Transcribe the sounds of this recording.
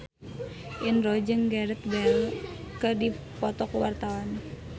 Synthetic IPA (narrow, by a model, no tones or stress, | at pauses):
ʔinrod͡ʒəŋɡaɾət̪̚bɛlkədi | pɔt̪ɔkwart̪awan